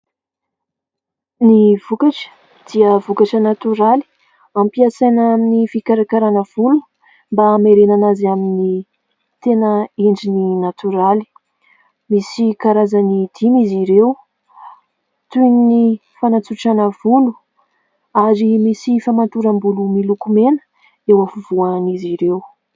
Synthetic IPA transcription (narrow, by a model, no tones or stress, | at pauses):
niv̥ukaʈ͡ʂə̥ | d̪̥iəvukaʈ͡ʂənat̪uɾali̥ | ampiasajnaminifikaɾakaɾanəv̥ulu̥ | mbameɾenanazamini | t̪enəiɳɖ͡ʐininat̪uɾali̥ | misikaɾazanid̪̥iniziɾew | t̪unnifanat͡suʈ͡ʂanəv̥ulu̥ | aɾimisifamant̪uɾambulumilukumenə̥ | ewafuvuaniziɾew